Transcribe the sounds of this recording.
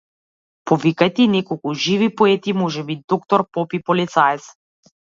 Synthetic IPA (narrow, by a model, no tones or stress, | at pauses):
pɔvikajt̪ɛinɛkɔlˠkuʒivipɔɛt̪imɔʒɛbid̪ɔk̚t̪ɔɾpɔpipɔlit̪saɛt̪s